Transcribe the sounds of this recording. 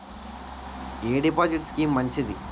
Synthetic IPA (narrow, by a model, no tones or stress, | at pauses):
eːɖipaːd͡ʒiʈskiːmːɐɲt͡ʃid̪i